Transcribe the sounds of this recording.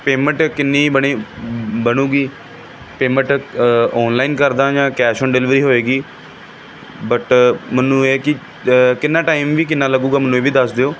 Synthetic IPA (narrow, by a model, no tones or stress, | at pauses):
peːmə̃ɳʈkɪnːĩːbəɽiːbəɽuːɡiː | peːmə̃ɳʈɔːnlaːiːnkəɾd̪ãːd͡ʒãːkɛːʃəːnɖɛlɪʋɾiːɦoːeːɡiː | bəʈmənːũːeːkɪ | kɪnːãːʈaːimʋiːk̬ɪnːaːləɡuːɡaːmənːũːeːʋiːd̪əsd̪eːoː